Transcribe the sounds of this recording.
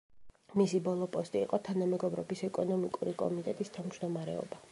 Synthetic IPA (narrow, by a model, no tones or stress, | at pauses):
misibɔlˠɔpʼɔst̪ʼiːqʼɔt̪ʰanamɛɡɔbɾɔbisɛkʼɔnɔmikʼuɾikʼɔ̰mit̪ʼɛt̪ʼist̪ʰavmd͡ʒd̪ɔmaɾɛ̰ɔ̰ba